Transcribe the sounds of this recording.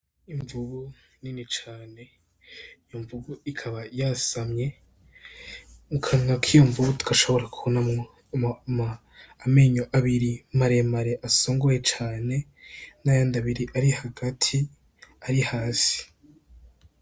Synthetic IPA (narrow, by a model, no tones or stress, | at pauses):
iɱvuβu | ninit͡ʃaːne̞ | ijoɱvuβuikʰaβajasamɲe̞ | ukʰaŋakʰijo̞ɱvuβutu̥kaʃo̞βo̞ɾakuona | maː | meːɲoʔaβiɾimaɾe̞maɾe̞ʔasoːŋɡo̞je̞t͡ʃaːne̞najaːndaβiɾiʔaɾihaɡatʰi | aɾihaːsi̥